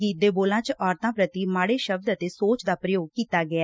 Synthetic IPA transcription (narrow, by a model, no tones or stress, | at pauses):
iːd̪eːboːlãːt͡ʃɔːɾt̪ãːpɾət̪iːmaːɽeːʃəb̚d̪ət̪eːsoːt͡ʃd̪aːpɾəjoːɡ̚kiːt̪aːɡɪaː